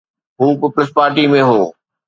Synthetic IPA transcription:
ɦuːpiːpəlɪspaːɾʈimẽɦoː

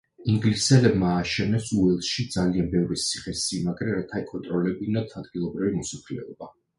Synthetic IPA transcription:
iŋɡlisɛlɛbmaːʃɛnɛsuɛlˠʃid̪zalianbɛvɾisʰiχɛsimaɡɾɛɾat̪ʰaikʼɔnt̪ʼɾɔlɛbinat̪ʰad̪ɡilˠɔbɾivimɔsakʰlɛ̰ɔb̥a

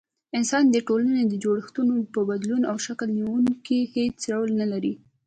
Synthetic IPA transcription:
ɪnsɑnd̪əʈolaned̪əd͡ʒoɽəxt̪unopəbad̪lunawʃakəlniwuŋkihet͡ʃɽawəlnalaɾi

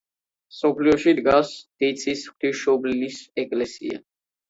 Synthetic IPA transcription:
sɔpʰliɔʃid̪ɡasd̪̥it̪sʰʼisχt̪ʰiʃɔblinisɛkʼlɛsḭa̰

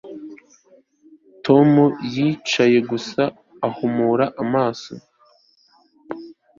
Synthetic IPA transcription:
tʰo̞mujiːt͡ʃaje̞ɡusaː | humuːɾaʔamaːso̰

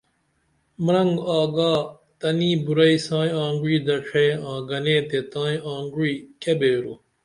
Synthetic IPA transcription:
mɾɐŋɡaːɡaː | t̪ɐnĩːbuɾɐiːsãːj̃ãːŋɡiːd̪ɐʈ͡ʂʰeːãːɡɐnẽːt̪et̪ãːĩãːŋɡwiːkebeːɾuː

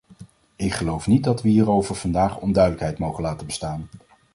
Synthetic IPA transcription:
ɪkχəlowfnit̚dɑtʋəɦiːrowvəɹv̥ɑndaːχɔndœɥdələkɦɛjtmowχənlaːtəbə̥staːn

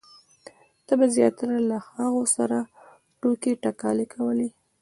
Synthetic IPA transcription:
t̪abazjɑt̪aɾalaxɑɣosaɾa | ʈokeʈakɑlekʰawəli

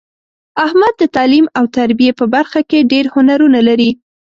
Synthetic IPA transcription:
ahmad̪ːət̪ɑlimawt̪aɾbijepəbaɾxakeɖeɾhʊnaɾunalaɾi

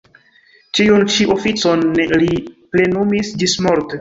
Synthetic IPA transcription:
t͡ʃiunt͡ʃiʔofit͡sonliple̞numisd͡ʒismoɾt

